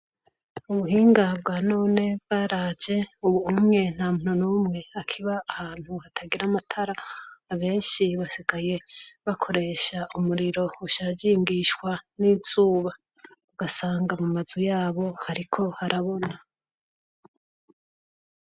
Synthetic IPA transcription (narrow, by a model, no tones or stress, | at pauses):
uβuɦiːŋɡabɡaːno̞ːne̞b̚ɡ̥aːɾaːd͡ʒe̞uβuumŋe̞n̥haːmun̥unuːmŋe̞akʰiβaːhaːn̥huhatʰaɡiɾamatʰaɾaːβe̞ːnʃiβasiɡaje̞βakʰo̞ɾe̞ːʃaʔumuɾiɾo̞uʃad͡ʒiŋɡiʃkwaniːz̥uːβa | uɡasaːŋɡamumazujaːβo̞haɾikʰo̞haɾʔaβo̞na